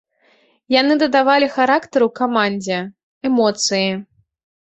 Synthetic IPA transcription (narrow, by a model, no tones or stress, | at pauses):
janɨd̪ɐd̪avalʲixaɾakt̪ɐɾukamanʲd͡zʲɛ | ɛmɔt̪sɨji